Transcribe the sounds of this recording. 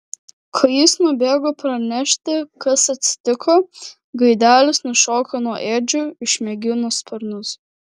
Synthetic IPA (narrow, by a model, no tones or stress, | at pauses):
kʰɐjiːsnʊbʲeːɡoːpɾɐnʲɛʃʲt̪ʲɪkɐsɐt̪ʲsʲɪ̥t̪ʲɪkʰoː | ɡɐɪd̪ʲæːlʲɪsnʊʃoːkonuɔʔeːd͡ʒʲʊɪʃʲmʲɛɡʲɪnʊspʲɐɾnʊs